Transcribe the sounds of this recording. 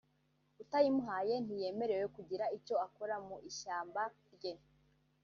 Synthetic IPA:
utajimuɦaːje̞nije̞ːme̞ɾewekuɟiɾaico̞akoɾamuʔiʃaːmbaɾɟen

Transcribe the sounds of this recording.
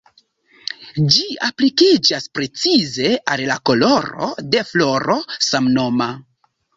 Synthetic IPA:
d͡ʒiaplikid͡ʒaspɾe̞t͡size̞allako̞loɾo̞̰de̞flo̞ɾo̞samno̞ma

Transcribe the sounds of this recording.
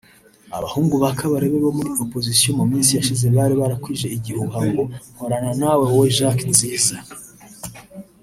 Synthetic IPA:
a̰βa̰huːŋɡuβakaβaɾeβe̞βo̞muɾio̞po̞zisijo̞mumiːnsijaʃize̞βaːɾiβaɾakwiʒe̞iɟihuhaŋɡo̞hoɾananaweweʒaknziːza

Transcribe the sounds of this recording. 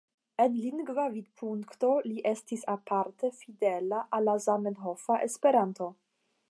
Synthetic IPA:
e̞nliŋɡvavid̚pʰuŋkto̞liʔestisapaɾte̞fide̞laʔalːazamenɦofaʔespe̞ɾanto̞

